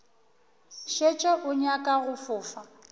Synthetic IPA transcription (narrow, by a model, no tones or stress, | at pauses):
ʃet͡ʃʼɛʔʊɲakʼaɣʊfʊːfa